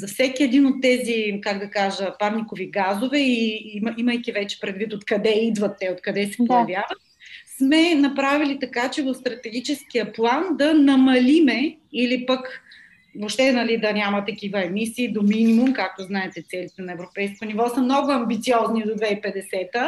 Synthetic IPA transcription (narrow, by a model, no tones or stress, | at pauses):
zɐfsɛkiɛd̪inot̪ːɛzikaɡd̪ɐkaʒəpaɾnikoviɡazovɛimiməjk̟ivɛt͡ʃɛ̥pɾɛd̪vit̪ot̪kɐd̪ɛid̪vɐt̪ːɛot̪kɐd̪ɛsɛ̥pojɐvjavət̪̚smɛnɐpɾavilit̪ɐkat͡ʃɛvəfst̪ɾɐt̪ɛɡʲit͡ʃɛsk̟ijəplˠand̪ɐnɐmɐlimɛilipək | vopʃt̪ɛnɐlid̪ɐnʲamɐt̪ɐkivəɛmisiːd̪ominʲimʊmkak̚t̪oznaɛt̪ɛt̪sɛlit̪ɛnɐɛvɾopɛjskonivɔsəmnɔɡʊɐmbit̪siɔznid̪od̪vɛipɛd̪ɛsɛt̪ə